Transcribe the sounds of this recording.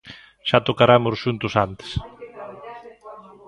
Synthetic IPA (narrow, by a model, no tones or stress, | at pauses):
ʃat̪okaɾamʊsʃunt̪ʊsant̪e̥s